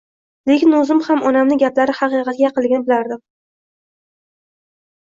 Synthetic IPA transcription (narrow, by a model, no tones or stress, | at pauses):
le̞kʲɪnʊzɪmhamɒnamnɪɡʲaplaɾɪhɑqɨqʰɑt̪̚ɡʲajɑqɨlˠɡʲɪnɪbɪlaɾd̪ɪm